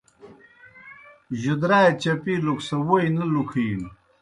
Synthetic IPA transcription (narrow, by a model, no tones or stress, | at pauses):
ʑud̪ɾaːjet͡ɕɐpiluksɐwojnɐlukʰiːn